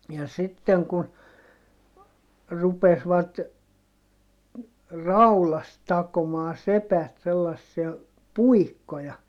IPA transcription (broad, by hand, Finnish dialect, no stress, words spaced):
jɑ sitːeŋ kun rupesʋɑt rɑulɑst tɑkomɑː sepæt selːɑsːiɑ puikːojɑ